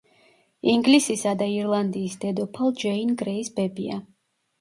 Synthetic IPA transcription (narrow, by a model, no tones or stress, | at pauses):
iŋɡlisisad̪aiɾlˠand̪iːsd̪ɛd̪ɔpʰalˠd͡ʒɛinɡɾɛisbɛbia̰